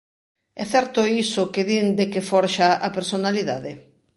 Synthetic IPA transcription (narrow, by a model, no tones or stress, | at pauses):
ɛθɛɾt̪ʊisʊkeðind̪ekefɔɾʃaapeɾsonaliðaðe